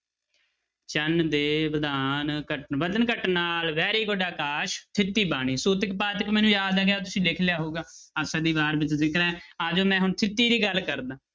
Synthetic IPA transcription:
t͡ʃənd̪eːʋəd̪aːnkəʈʋəd̪ənkəʈnaːlʋɛːɾiːɡoɖaːkaːʃt̪ʰɪt̪ːiːbaːɽ̃iːsuːt̪̬ɪkpaːt̪ɪkmɛːnũːjaːd̪aːɡjaːt̪̬ʊsĩːlɪkʰlɪjaːɦoːɡaːəsəd̪iːbaːɾbɪt͡ʃzɪkɾɛ̃ːaːd͡ʒoːmɛ̃ːɦʊɳt̪ʰɪt̪ːiːd̪iːɡəlːkəɾd̪ãː

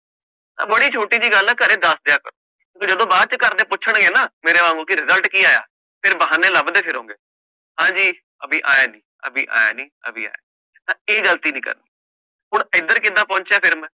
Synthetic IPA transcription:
t̪ã̰ːbəɽiːt͡ʃʰoːʈiːd͡ʒiːɡəlaːkəɾeːd̪əsd̪ɪjaːkəɾo̰ː | d͡ʒəd̪õːbaːd̪̚t͡ʃəkəɾd̪eːpʊt͡ʃʰəɳɡeːnaːmeːɾeːmãːŋũːkiɾɪzəlʈkiːaːja̰ː | pʰɪɾbəɦaːneːləbd̪eːpʰɪɾɦõːŋɡeː | ɦãːd͡ʒiː | əbiːʔa̰ːjaːnĩːə̰biːʔa̰ːja̰ːnĩːə̰bḭːa̰ːja̰ | t̪ãːeːɡəlt̪iːnĩːkə̰ɾniː | ɦʊɳɪd̪əɾkɪd̪aːpɔ̃ːɲt͡ʃjaːpʰɪɾmɛː

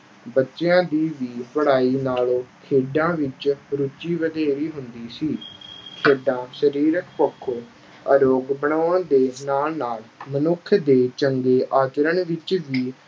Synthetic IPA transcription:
bətːʃeãːd̪iːʋiːpəɽaːiːnaːloːkʰeːɖãːʋɪt͡ʃɾʊt͡ʃːiːʋəd̪eːɾiːɦʊnd̪iːsiːkʰeːɖãːʃəɾiːɾəkpəkʰːoː | əɾoːɡbəɳaːəɳd̪eːnaːlnaːlmənʊkʰːd̪eːt͡ʃəŋɡeːʔaːt͡ʃɾəɳʋɪt͡ʃʋiː

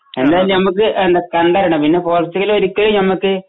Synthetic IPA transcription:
e̞nd̪aːjilmnɐmukːɨʔend̪ɐkɐɳɖaːɾɐɳɐmpinːepo̞ːlist̪ːiɣɐloɾukːɐɻinɐmukːɨ

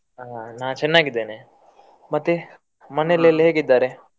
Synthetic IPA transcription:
aːnaːt͡ʃɛnːaːɡid̪ːeːne | mɐt̪ːe | mɐnelɐlːɦeːɡid̪ːaːɾe

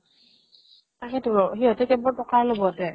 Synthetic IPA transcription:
takɛtʊɹɔɦiɦɔtɛkɛbɔɹtɔkalobɔatɛ

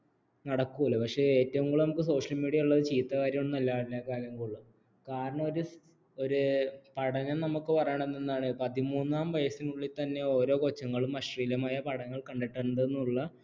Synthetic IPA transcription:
nɐɽɐkːuɐlːɐpɐkʂe̞ːeːtːɐʋuŋɡɐɭnɐmukːɨso̞ːʂɐlmiːɽijɐuɭːɐðɨt͡ɕiːt̪ːɐkaːɾjɐmoɳːnɐlːaːɭilːɐkaːɾjɐŋːɐɭuɭːu | kaːɾɐɳɐmo̞ɾu | o̞ɾupɐɽɐɲɐmnɐmukːɨpɐrɐjaɳenːenːaːɳɨpɐðimuːnːaːmʋɐjɐsinuɭːit̪ːɐnːe̞o̞ːɾo̞ːkot͡ɕːɐŋːɐɭumɐʂriːlɐmaːjɐpɐɽɐŋːɐɭkɐɳɖeʈːɐnd̪ɐenːuɭːɐ

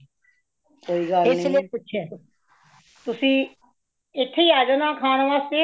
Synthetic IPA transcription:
koːiːɡaːɾɪ̃lːpʊt͡ʃʰeː | t̪ʊsĩː | ɪt̪ʰːeiːaːd͡ʒaːnãːkʰaːnʋaːst̪eː

